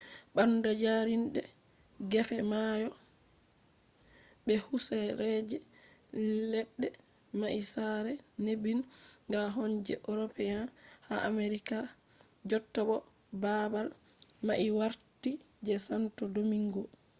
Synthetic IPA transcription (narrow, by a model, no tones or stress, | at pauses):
ɓandɔd͡ʒaɾinɗɛ̰ | ɡɛfɛmajɔ | ɓɛhusɛɾɛd͡ʒɛ | lɛɗːɛ | maʔisaɾɛnebinŋɡaɦɔnd͡ʒɛ̰ʔoɾɔpɛjanhaʔameɾika | d͡ʒɔtːabɔ | babal | maʔiwaɾti | d͡ʒɛsantɔdomiŋɡɔ